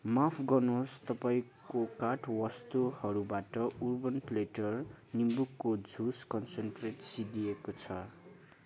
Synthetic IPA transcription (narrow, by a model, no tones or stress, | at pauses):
mapʰɡʌnost̪ʌpaĩkokaʈwʌst̪uhʌɾubaʈʌurbʌnpleʈʌrnimbukːod͡zʱuskʌnsenʈreʈsid̪iekot͡sʰʌ